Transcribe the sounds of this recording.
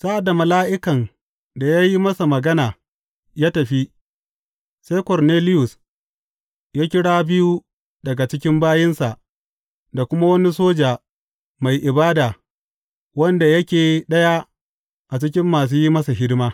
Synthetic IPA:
sa˦ʔa˨da˨mɐ˨laː˦ʔɪ˦kɐ˨n | da˨ja˦ji˦mɐ˦sa˨mɐ˨ɡɐ˦naː˨ | jaː˦tɐ˨ɸi˦ | sa˦jkɔ˨rneː˦lɪ˦jʊ˨s | jaː˦kʲɪ˦ɽaː˦bɪ˦ju˦ | dɐ˨ɡa˨t͡ʃɪ˦kʲɪ˦mbaː˦jɪ˦nsa˨ʔ | da˨kʷʊ˦ma˦wɐ˦ni˦soː˦d͡ʒaː˨ | ma˨jʔɪ˨baː˦daː˨ | wɐ˦nda˨jɐ˦kʲeː˨ɗɐ˦ja˦ | ʔa˨t͡ʃɪ˦k̬ʲɪ˦mːaː˨s̬uː˦ji˦mɐ˦sa˨ɦɪ˦dmaː˦

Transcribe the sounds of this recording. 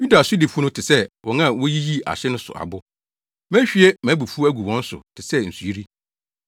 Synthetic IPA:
ju˦da˨sʊ˦dɪ˨fu˦nʊ̃˦tʰɪ˨sɛ˦wɔ̃˨ŋã˦˨wɔ˦ji˦ji˦a̰˨ɕɪ˦nʊ̃˦sʊ̰˨ʔa̰˨bʊ˦ | mæ̃˦ɕᶣi˦ɛ˦mæ̃˨˦bu˨fu˦æ˦ɡu˨wɔ̃˦n̩˦sʊ̰˨tʰɪ˨sɛ˦n̩˨su˨i˦ɾi˦

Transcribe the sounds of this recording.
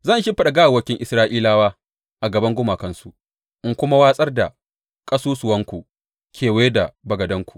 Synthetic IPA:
zɐ˦˨nʃɪ˦ɸɐ˦ɗa˨ɡaː˦˨wɐ˦kʲɪ˦ŋʔɪ˨˦sɾaː˦ʔiː˦laː˦waː˦ | ʔa˨ɡɐ˨bɐ˦ŋɡʷʊ˦maː˨kɐ˦nsu˨ʔ | ʔɪ˦ŋkʷʊ˦ma˦waː˦sʼɐ˦rda˨ | kʼɐ˦suː˦sʊ˨wɐ˦ŋkʷu˨ | kʲʰeː˨weː˦da˨bɐ˨ɡɐ˨dɐ˦ŋkʷu̥˨ʔ

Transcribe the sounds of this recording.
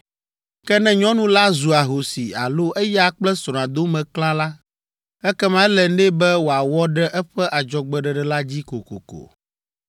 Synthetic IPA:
kɛ˦nɛ̃˦ɲɔ̃˦nũ˦la˦zu˨a˨ɦo˨si˨a̰˨lo˦ʔɛ˦ja˦k͡plɛ˦sɾɔ̃˨ã˨d̪o˦mɛ̃˨klã˦la˦ | ɛ˦kɛ˦mã˦lɛ˨nɛ˦bɛ˦wo˨a˨wɔ˦ɖɛ˦ʔɛ˦ɸɛ˦ʔa˨d͡ʒɔ˨ɡ͡bɛ˨ɖɛ˨ɖɛ˨la˦d͡ʑi˦ko˨ko̰˨ko̰˨

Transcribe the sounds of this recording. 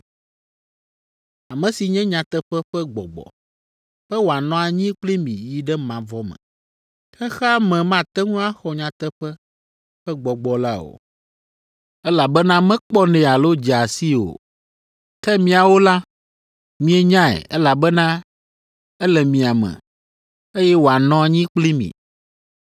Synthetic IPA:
a˨mɛ̃˨si˨ɲɛ̃˦ɲã˨t̪ɛ˦ɸɛ˦ɸɛ˦ɡ͡bɔ̰˨ɡ͡bɔ̰˨ | ɸɛ˦wo˨a˨nɔ̃˦a˨ɲĩ˦k͡pli˦mĩ˨ji˦ɖɛ˦mã˨vɔ˦mɛ̰̃˨ | xɛ˦xɛ˦a˦mɛ̃˨mã˦t̪ɛ˦ŋũ˦a˦xɔ˨ɲã˨t̪ɛ˦ɸɛ˦ | ɸɛ˦ɡ͡bɔ˨ɡ͡bɔ˨la˦o̰˨ | ɛ˦la˨bɛ˦nã˦mɛ̃˦k͡pɔ˦nɛ̃˨a˨lo˦d͡ʒɛ˨a˨si˦o̰˨ | kɛ˦mĩ˨a˨wo˦la˦ | mĩ˦ɛ˦ɲã˦ɛ̰˨ɛ˦la˨bɛ˦nã˦ | ɛ˦lɛ˨mĩ˨a˨mɛ̰̃˨ | e˦jɛ˦wo˨a˨nɔ̃˦a˨ɲĩ˦k͡pli˦mḭ̃˨

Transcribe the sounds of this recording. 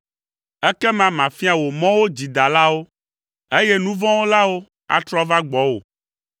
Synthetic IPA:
ɛ˦kɛ˦mã˨mã˨fi˦a˨wo˨mɔ̃˦wo˦d͡ʑi˨d̪a˨la˦wo˦ | e˦jɛ˦nũ˦vɔ̃˦wo˦la˦wo˦ | a̰˦t̪ɾɔ˦va˦ɡ͡bɔ˨˦wo̰˨

